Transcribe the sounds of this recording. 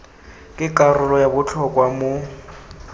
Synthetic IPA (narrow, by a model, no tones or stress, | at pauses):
kʼɪkʼarʊlɔjabʊt͡ɬʰɔkʼwamo